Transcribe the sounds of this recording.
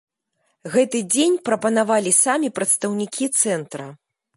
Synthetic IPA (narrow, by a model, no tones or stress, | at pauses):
ɣɛt̪ɨd͡zʲenʲpɾɐpɐnavalʲisamʲipɾɐt̪st̪ɐwnʲikʲit̪sɛnt̪ɾɐ